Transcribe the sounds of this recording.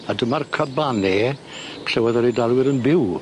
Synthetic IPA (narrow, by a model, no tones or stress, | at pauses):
adəmarkʰəbaneːpʰɬɛwɔðɔɾedalˠwɪɾənbɪw